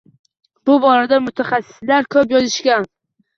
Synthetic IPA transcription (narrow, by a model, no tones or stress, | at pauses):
b̥ʊbɒɾad̪amʊt̪ʰaχasːɪ̥slaɾkʲʰɵpjɒzɪʃkʲan